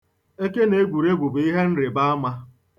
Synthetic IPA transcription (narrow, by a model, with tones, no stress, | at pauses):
e˦ke˦ne˨˦ɡʷu˨ɾe˦ɡʷu˨bi˦ɦe˦n̩˦ɾɪ˨ba˦a˦ma˦